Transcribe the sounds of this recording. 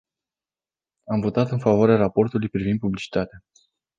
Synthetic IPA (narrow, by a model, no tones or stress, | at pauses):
amvo̞t̪at̪ɨnfavoaɾeaɾapo̞rt̪ulujpɾivind̪̚publit͡ʃi̥t̪at̪ea